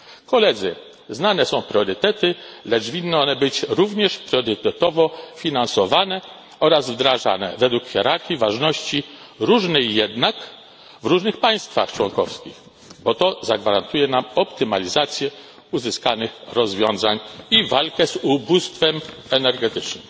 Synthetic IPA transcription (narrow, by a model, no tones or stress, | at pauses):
kɔlɛd̪zɘ | znanɛsɔ̃w̃pɾʲjɔɾɘt̪ɛt̪ɘlɛt͡ʂvʲinːɨɔnɛbɘt͡ɕɾuvɲɛʂpɾʲjɔɾɘt̪ɛt̪ɔvɔfʲinansɔvanɛ | ɔɾazvd̪ɾaʐa̰nɛ̰vɛd̪wukxʲjɛɾaɾxʲivaʐnɔɕt͡ɕi | ɾuʐnɛjjɛd̪nak | vɾuʐnɘxpaj̃st̪fa̰xt͡ʂwɔŋkɔfskʲḭx | bɔt̪ɔzaɡvaɾant̪ujɛnamɔpt̪ɘmalʲizat̪sʲjɛ | uzɘskanɘxɾɔzvʲjɔ̃w̃zaɲivalkɛzubust̪fɛmɛnɛɾɡɛt̪ɘt͡ʂnɘ̰m